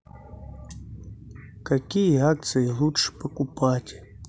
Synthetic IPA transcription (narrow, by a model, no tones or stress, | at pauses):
kakʲijeak̚t̪sɨjilˠuʂpɐkupatʲ